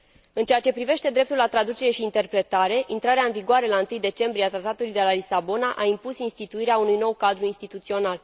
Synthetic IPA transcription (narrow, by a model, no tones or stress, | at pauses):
ɨnt͡ʃe̞jat͡ʃe̞pɾive̞ʃt̪e̞d̪ɾe̞p̚t̪ulat̪ɾad̪ut͡ʃe̞ɾe̞ʃiːnt̪e̞rpɾe̞t̪aɾe̞ʔint̪ɾaɾeaɨnviɡoaɾe̞laɨnt̪ɨjd̪e̞t͡ʃe̞mbɾieat̪ɾat̪at̪ulujd̪e̞lalisabo̞naʔaimpusinst̪it̪uiɾeaunujno̞wkad̪ɾuinst̪it̪ut̪sio̞nal